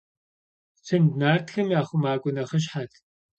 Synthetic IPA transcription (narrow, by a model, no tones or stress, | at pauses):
t͡sʰɨndnaːrtxɐmjaːχʷʊmaːkʷʼʊnɐχɐʃ̬ħat